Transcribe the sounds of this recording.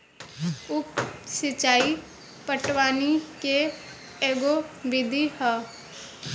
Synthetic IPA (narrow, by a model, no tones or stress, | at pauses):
ʊpsɪt͡ʃaːi | pəʈwaːnike | eːɡobɪd̪ʱihɛː